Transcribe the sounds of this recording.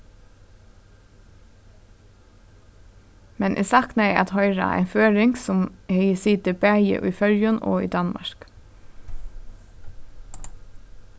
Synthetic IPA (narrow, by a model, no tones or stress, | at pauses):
mɛnʔḛːsɑknæɪɑt̪hœʏɹɑ̰ʔæ̰ɪnføːɹɪŋɡsʊmhɛɪəsiːd̪əbæːjə̰ʔʉːfœljəno̰ːḭːd̪ɑnmɑ̰ɹk